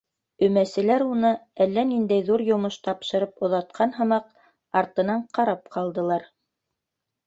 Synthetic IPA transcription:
ɵ̆mæsɘ̆læɾunɤælːænind̪æjðuɾjŏmɤʃt̪ɑpʃɤ̆ɾɤpŏðɑt̪̚qʰɑnɦɤ̆mɑq̚ | ɑɾt̪ɤ̆nɑɴqɑɾɑp̚qɑlˠd̪ɤ̆lˠɑɾ

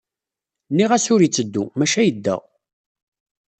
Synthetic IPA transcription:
nːiʁæsʊɾit͡sːəd̪ːṵmæʃæjəd̪ːæ̰

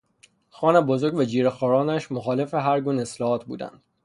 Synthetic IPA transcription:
xɒːnebozoɾɡvæd͡ʒiːɾexɒːɾɒːnæʃmoxɒːle̞feɦæɾɡuːneeslɒːhɒːt̪ʰbṵːd̪æ̰nd̪̥

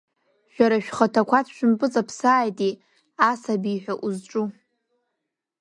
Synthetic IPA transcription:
ʒᶣaɾaʃᶣχatʰakʷʰatʰʃᶣʊmpʼɨt͡sʼapʰsaːjtʼi | asabiħʷᶣaʔuzʈ͡ʂʼu

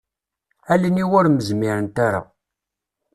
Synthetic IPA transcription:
æləniwʊɾməzmiɾənt̪aɾa̰

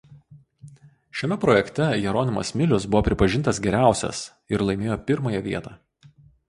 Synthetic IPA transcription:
ʃʲɛmʲɛpɾɔjɛkt̪ʲɛjɛɾoːnʲɪmɐ̰smʲɪlʲʊsbʊʋoːpʲɾʲɪpɐʒʲɪnt̪ɐsɡʲɛɾʲæˑʊsʲɛ̰s | ɪɾlˠɐɪmʲeːjoːpʲɪɾmɐjɛʋʲiɛt̪ɑː

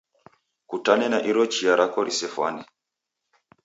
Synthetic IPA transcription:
kutanɛnaʔiɾɔt͡ʃiaɾʔakɔɾʔisɛfwa̰ni

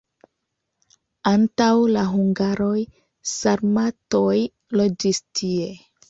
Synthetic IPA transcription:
antawlaɦuŋɡaɾoj | saɾmatoj | lo̞d͡ʒistʰie̞

